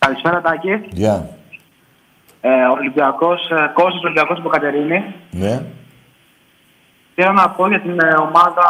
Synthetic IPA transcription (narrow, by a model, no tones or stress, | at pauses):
kɐlispe̞ɾɐt̪ɐcijɐ | olibiɐko̞sko̞sos̬olibiɐko̞sipokɐt̪e̞ɾinine | θelonɐpo̞ʝɐt̪ino̞mɐðɐ